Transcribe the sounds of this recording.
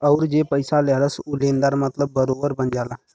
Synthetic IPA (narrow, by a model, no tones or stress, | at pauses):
əʊɾd͡ʒeːpəjsaleɦləsulẽːnd̪aɾmət̪ləbːəɾoːbəɾbənd͡ʒaːla